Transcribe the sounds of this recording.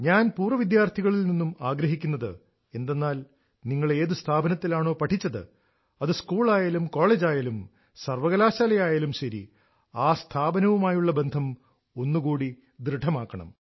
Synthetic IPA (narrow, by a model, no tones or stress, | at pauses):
ɲaːnpuːrɐʋid̪jaːrt̪ʰiɣɐɭilninːumaːɡɾɐɦikʲːunːɐðɨ | e̞nd̪e̞nːaːl | niŋːɐɭe̞ːðɨst̪ʰaːbɐnɐt̪ːilaːɳo̞ːpɐʈʰit͡ɕːɐðɨ̰ | ɐðɨskuːɭaːjaːlumko̞ːɭeːd͡ʑaːjalum | sɐrʋɐɣɐlaːɕaːlɐjaːjalumɕɐɾḭ | aːst̪ʰaːbɐnɐʋumaːjuɭːɐbe̞nd̪ʱɐm | o̞nːukuːɽi | d̪ɾɨɖʰʱːɐmaːkːɐɳɐ̰m